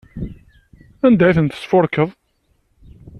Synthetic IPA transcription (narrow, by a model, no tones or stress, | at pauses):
ænd̪æiθənt̪ə̥sfʊɾkəðˤ